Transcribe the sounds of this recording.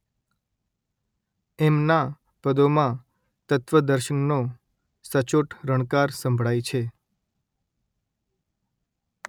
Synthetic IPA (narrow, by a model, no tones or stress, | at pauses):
ɛmna | pəd̪omã | t̪ət̪ʋəd̪əɾʃənːo | sət͡ʃoʈʰɾəɳ̃kaɾsə̃mbʱɭajt͡ʃʰe